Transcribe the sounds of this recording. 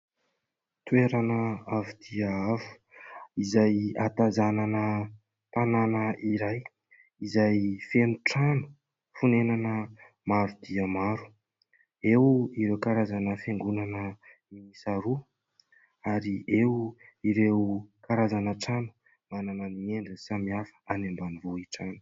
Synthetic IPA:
t̪uweɾanəavud̪̥iəavu̥ | izajat̪azananə | t̪ananəiɾaj | izajfenuʈ͡ʂanu̥ | funenanə | maɾud̪iəmaɾu̥ | ewiɾewkaɾazanəfeŋɡunanə | imisaɾu | aɾiewuiɾewkaɾazanəʈ͡ʂanu̥ | manananieɳɖ͡ʐəsamiafə̥anembanivoiʈ͡ʂanu

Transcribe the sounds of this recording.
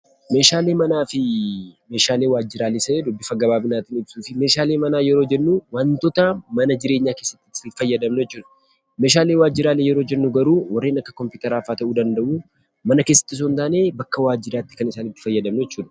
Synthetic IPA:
me̞ːʃaːle̞ːmɐnaːfɪme̞ːʃaːle̞ːwaːd͡ʒːɪɾaːlɪsɐeːd̪ʊbːɪfɐɡɐbaːbɪnaːt̪ɪnɪbsuːfɪme̞ːʃaːle̞ːmɐnaːjɛɾo̞ːd͡ʒɛnːuwaːnt̪ɔt̪ɐmɐnɐd͡ʒɪɾe̞ːɲːaːke̞ːsːɐ̥t̪ːɪfɐjːɐd̪ɐmnʊjɛt͡ʃːuːd̪ɐ | me̞ːʃaːle̞ːwaːd͡ʒːɪɾaːlejɛɾo̞ːd͡ʒɛnːʊɡɐɾuːwɐrːeːnɐkːɐkɔmpuːt̪ɐɾaːfaːt̪ɐʔuːd̪ɐnd̪ɐʔuː | mɐnɐke̞ːsːɐ̥t̪ːɪs̬unt̪aːne̞ːbɐkːɐwaːd͡ʒːɪɾaːt̪ːɪ̥kɐnɪsaːnɪt̪ːɪ̥fɐjːɐd̪ɐmnʊjɛt͡ʃːuːd̪ɐ̥

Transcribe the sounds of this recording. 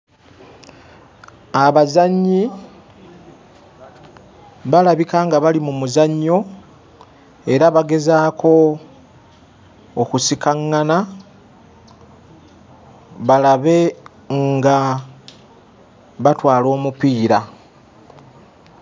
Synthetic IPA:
aβazaɲːi | βalaβikaŋɡaβalimumuzaɲːo̞ | e̞ɾaβaɡe̞zaːkʰo̞ | kusikaŋːana | βalaβe̞ | ŋɡa | βatwaːlo̞ːmupiːɾa

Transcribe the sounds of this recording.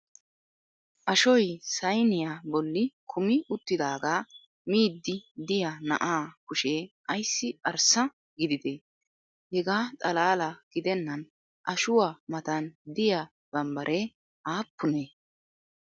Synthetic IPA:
ʔɐʃɔjsɐjnɪjabɔlːɪkʰʊmɪʊt̪ːɪd̪aːɡaː | miːd̪ːɪd̪ɪjanɐ̰ʔaːkʊʃeːʔɐjsːɪʔɐɾsɐ | ɡɪd̪ɪd̪e | hɛɡaːt̪ʼɐlaːlɐɡ̥ɪd̪ɛnːɐn | ʔɐʃʊwamɐt̪ɐnd̪ɪja | b̥ɐmbɐɾʔeː | ʔaːpːʊneː

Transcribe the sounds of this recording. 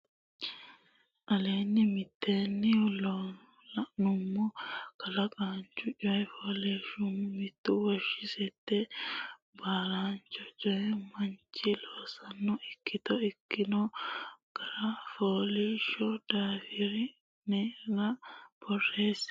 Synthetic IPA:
ʔɐleːnːɪmɪt̪ːeːnːɪlɔ | ɐnʊmːʊkɐlɐkʼaːnt͡ʃːʊt͡ʃʼɔjɛfoːleːʃʊmʊmɪt̪ːʊwɔʃɪsɛt̪ːɛ | baːɾaːnt͡ʃɔt͡ʃʼɔjɛmɐnt͡ʃːɪloːsɐnːɔɪkːɪt̪ɔɪkːɪnɔɡ̥ɐɾɐfoːleːʃɔd̪aːfɪɾɪ | nɛɾɐb̥ɔrːeːs

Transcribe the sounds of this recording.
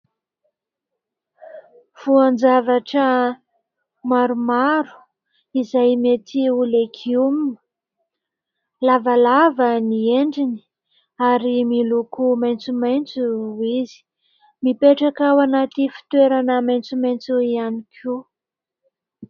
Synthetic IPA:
v̥uand͡zavaʈ͡ʂə | maɾumaɾu̥ | izajmet̪iulekʰium | lavalavənieɳɖ͡ʐini̥ | aɾimilukumajnt͡sumajnt͡suizi̥ | mipeʈ͡ʂakawanat̪ifi̥t̪weɾanəmajnt͡sumajnt͡suianikʰu

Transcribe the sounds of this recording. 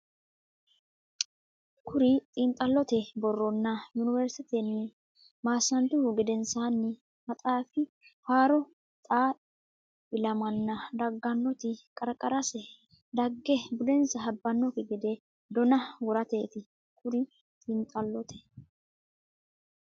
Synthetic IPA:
kʰʊɾɪt̪ʼiːnt̪ʼɐlːɔt̪ɛbɔrːɔnːɐjʊnɪvɛɾsɪt̪ɛnːɪ | maːsːɐnt̪ʊɡɛd̪ɛnsaːnːɪ | mɐt̪ʼaːfɪ | haːɾɔ | t̪ʼaː | ɪlɐmɐnːɐd̪ɐɡːɐnːɔt̪ɪkʼɐɾkʼɐɾɐsɛ | d̪ɐɡːɛbʊd̪ɛnsɐɦɐbːɐnːɔkɪɡɛd̪e | d̪ɔnɐwɔɾɐt̪e̞ːt̪ɪ | kʰʊɾɪ | t̪ʼint̪ʼɐlːɔt̪ʰɛ̥

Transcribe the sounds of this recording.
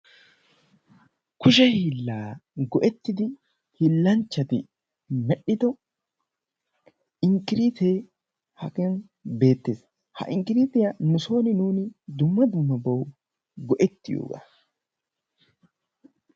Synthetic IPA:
kʊʃ̬ɛhiilːaːɡɔʔɛt̪ːɪt̪ɪ | hɪlːɐnt͡ʃːɐt̪ɪ | mɛᶑɪt̪ɔ | ɪŋkɪɾit̪eː | hɐkɐn | be̞ːt̪ːeːs | hɐ̰ʔɪŋkɪɾit̪ɪjɐnʊso̞ːnɪnuːnɪd̪ʊmːɐd̪ʊmːɐbɐʊ | ɡɔʔɛt̪ːɪjo̰ːɡɐ̰

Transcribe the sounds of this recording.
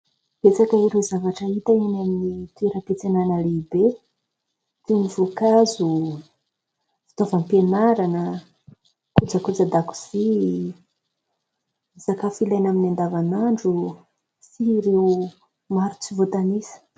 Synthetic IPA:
b̥et͡sakəiɾewzavaʈ͡ʂəit̪ainaminit̪ueɾəpet͡senanəleibe | t̪enivokazu | vi̥t̪ovampenaɾanə | kud͡zəkud͡zad̪aku̥z̥i | z̥akafilajnaminand̪avanaɳɖ͡ʐu | siɾew | maɾut͡sivot̪anisə̥

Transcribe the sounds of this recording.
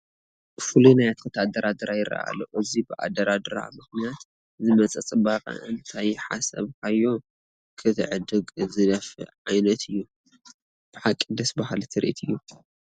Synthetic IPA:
fɨlunajat̪kʰɐt̪ʰad̪ɐɾad̪ɐɾajɪɾʔɐ̰ʔa̰lo̰ʔɨzibɨʔa̰d̪ɐɾad̪ɨɾa̰mɨxnijat̪ | zɨmɐt͡sʼɐt͡sʼɨbaqʼɐ̰ʔɨnt̪ʰajɪħa̰sɐ̰βkʰajːo | kʰɨt̪ʰɨ̰ʕɨd̪ɨɡzɨd̪ɐfɨ̰ʕajnɐt̪ʰɨjːu | b̥ɨħakʼːid̪ɐsbahalt̪ʰɨɾʔḭt̪ʰɨjːu

